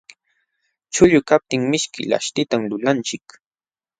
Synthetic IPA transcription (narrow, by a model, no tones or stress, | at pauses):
t͡ʃʊʎʊkap̚t̪ɪŋmɪʃkɪ̰la̰ʃt̪ɪt̪amlʊlant͡ʃɪk